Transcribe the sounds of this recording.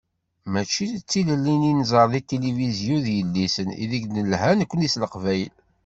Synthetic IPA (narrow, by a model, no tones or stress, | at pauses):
mæt͡ʃːit͡sːiləlːininzˤəɾˤðit̪ːelivizjuðjəlːisənḭðiɡnəlhænəkʷːənisləqvæjəl